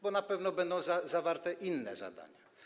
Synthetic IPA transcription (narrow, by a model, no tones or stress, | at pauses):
bɔnapɛvnɔbɛnd̪ɔ̃w̃zazavaɾt̪ɛʔinːɛ̰za̰d̪a̰ɲa